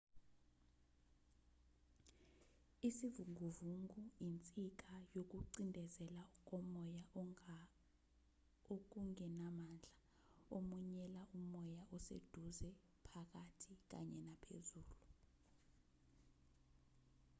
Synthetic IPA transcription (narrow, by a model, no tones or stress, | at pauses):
isivuŋɡuvuŋɡujint͡sʼik̬ajok̬uǀindʱɛzɛlauk̬ʼɔmɔja | ok̬uŋɛnamand͡ɮʱa | omuɲɛlaʔumɔjaʔɔsḛd̥ʱuzɛ | pʰak̬atʰik̬a̰ɲɛnapʰḛzuːlu